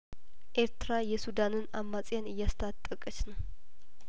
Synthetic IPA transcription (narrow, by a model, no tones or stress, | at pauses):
ʔe̞ɾt̪ʰɨɾajɛsud̪anɨnamːat͡sʼjanɨjːast̪ʰat̪ʼːəkʼət͡ʃnəw